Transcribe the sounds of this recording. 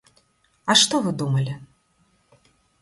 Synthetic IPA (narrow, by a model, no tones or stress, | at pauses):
ɐʂt̪ɔvɨd̪umɐlʲi